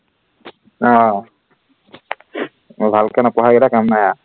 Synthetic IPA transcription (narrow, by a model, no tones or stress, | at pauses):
ɔ | bʱalkanapɔɦaɡɛɾakamnaja